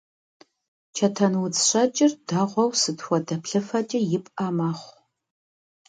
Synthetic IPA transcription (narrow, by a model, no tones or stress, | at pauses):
t͡ʃʰɐtʰɐnwʊt͡sɕʷɐt͡ʃʼɪrdaːʁʷɔwsɨtʰxʷɔdɐpʰɬɐfɐt͡ʃʼɐjɪpʼaːmaːχʷ